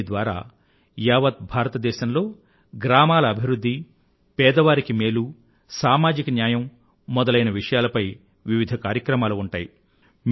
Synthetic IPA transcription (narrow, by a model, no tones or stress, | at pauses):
d̪ʋaːɾa̰ː | jaːʋɐt̪̚bʱaːɾɐt̪ɐd̪ɛːʃɐmlo̞ː | ɡɾaːmaːlɐːbʱiʋɾud̪ʱːi | pɛːd̪ɐʋaːɾikimeːlu | saːmaːd͡ʒikɐnjaːjɐmː | ɔd̪ɐlɐjnɐʋiʂɐjaːlɐpɐj | ʋiʋid̪ʱɐkaːɾjɐkɾɐmaːluːɳʈaːji | m